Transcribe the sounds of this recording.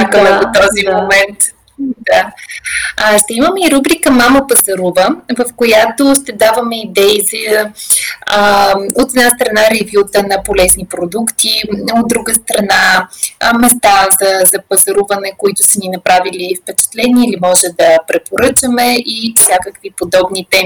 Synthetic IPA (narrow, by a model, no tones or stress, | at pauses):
akəmɛvot̪ɔzimomɛnt̪ | d̪a | ʃt̪ɛiməmɛiɾubɾikəmaməpɐzɐɾuvəvɐfkojat̪oʃt̪ɛd̪avəmɛid̪ɛizɐ | ot̪ɛd̪nast̪ɾɐnaɾɛvjut̪ənɐpolɛznipɾod̪ukt̪ʰiod̪̚d̪ɾuɡəst̪ɾɐna | mɛst̪azɐzɐpɐzɐɾuvənɛkoit̪ʊsəninɐpɾavilifpɛt͡ʃɛ̥t̪lɛniilimɔʒɛd̪ɐpɾɛpoɾɤt͡ʃəmɛʔifsʲjakəkvipod̪ɔbnit̪ɛm